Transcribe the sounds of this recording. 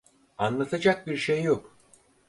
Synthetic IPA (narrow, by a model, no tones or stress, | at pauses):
anlˠat̪ʰad͡ʒak̚biɾʃejːok